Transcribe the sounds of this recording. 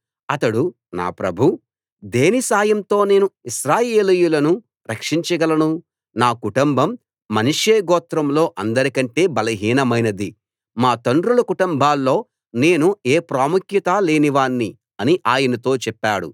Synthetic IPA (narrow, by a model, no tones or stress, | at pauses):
ɐt̪ɐɽu | na̰ːpɾɐbʱu | d̪eːnisaːjɐmt̪o̞ːne̞ːnuiʃɾaːje̞ːlijulɐnu | ɾɐkʂiɲt͡ʃɐɡɐlɐnu | naːkuʈumbɐmː | ɐniʂeːɡɔːt̪ɾɐmlo̞ːʔɐnd̪ɐɾikɐɳʈe̞ːbɐlɐɦiːnɐmɐjnɐd̪i | maːt̪oɳɖɾulɐkuʈumbʱaːlːo̞ː | ne̞ːnueːpɾaːmukʰjɐt̪aːle̞ːniʋaːɳːi | ɐniʔaːjɐnɐt̪o̞ːt͡ʃɛpːaːɽṵ